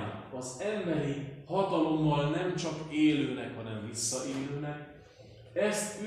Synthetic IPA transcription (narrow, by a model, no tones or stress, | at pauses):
ɒzɛmbɛɾihɒt̪ɒlo̞mːɒlnɛmt͡ʃɒkeːløːnɛkhɒnɛɱvisːɒʔeːløːnɛk̚ | ɛst̪y